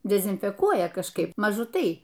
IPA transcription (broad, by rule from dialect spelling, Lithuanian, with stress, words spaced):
dʲɛzʲɪnʲfʲɛˈkuɔjɛ kɐʃˈkɐɪp mɐˈʒʊ ˈtɐɪ